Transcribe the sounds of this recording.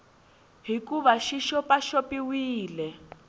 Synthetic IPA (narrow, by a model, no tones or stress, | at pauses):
ɦikuβaʃiʃɔpaʃopiwiːlɛ